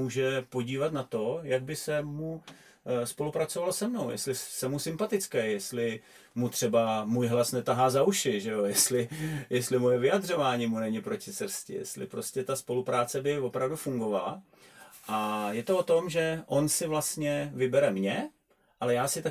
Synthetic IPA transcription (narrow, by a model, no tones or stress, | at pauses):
uːʒɛpo̞ɟiːvat̪nat̪o̞jaɡ̚bɪsɛmu | spo̞lupɾat͡so̞valosɛmno̞wjʔɛ̰st̪lɪsɛmusɪmpat̪ɪt͡skɛːjjɛst̪lɪ | mut̪r̝̥ɛbamuːjɦlasnɛt̪aɦaːzauʃɪʒɛo̞jɛst̪lɪjɛstlɪmo̞jɛvɪjad̪r̝o̞vaːɲiːmunɛɲɪpɾo̞cɪsɾ̩scɪ̰jɛ̰st̪lɪ̰pɾo̞scɛt̪aspo̞lupɾaːt͡sɛbɪvo̞pɾavdufuŋɡo̞vala̰ | ʔajɛt̪oot̪o̞mʒɛʔo̞nsɪvlast̪ɲɛvɪbɛɾɛmɲɛ | ʔalɛjaːsɪt̪a